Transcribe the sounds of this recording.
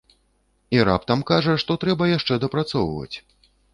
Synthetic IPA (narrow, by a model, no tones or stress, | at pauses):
iɾa̰pt̪ɐmkaʐɐʂt̪ɔt̪ɾɛbɐjaʂt͡ʂɛd̪ɐpɾat̪sɔwvɐ̰t͡sʲ